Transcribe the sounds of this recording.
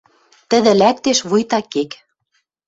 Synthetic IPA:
t̪ə̆ðɘ̆læk̚t̪eʃβujt̪ɑkek

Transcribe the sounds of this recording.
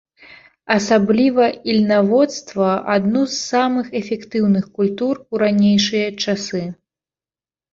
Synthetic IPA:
ɐsablʲivɐilʲnavɔt̪st̪vɐad̪nuzːamɨxɛfʲɛkt̪ɨwnɨxkulʲt̪uruɾanʲejʂɨjɐt͡ʂasɨ

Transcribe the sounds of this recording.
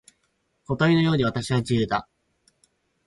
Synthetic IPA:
ko̞t̪aino̞jo̞ːɲ̟iβ̞at̪aɕiβat͡ɕijɯ̟ːd̪a

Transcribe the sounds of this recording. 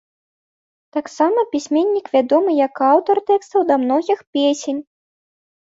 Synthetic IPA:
t̪aksamɐpʲisʲmʲenʲːikvʲad̪ɔmɨjɐkawt̪ɔrt̪ɛkst̪ɐwd̪ɐamnɔɣʲixpʲesʲenʲ

